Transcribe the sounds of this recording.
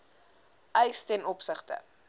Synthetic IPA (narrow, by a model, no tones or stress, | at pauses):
ʔɛjstɛnɔpsəχtə̰